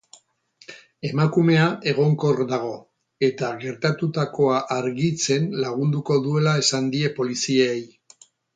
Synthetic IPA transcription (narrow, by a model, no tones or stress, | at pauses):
e̞makume̞aʔe̞ɣo̞ŋko̞ɾðaɣ̞o̞ | e̞t̪aɣe̞ɾt̪at̪ut̪ako̞aʔaɾɣit͡se̞nlaɣund̪uko̞ðue̞lae̞sand̪ie̞po̞lisieej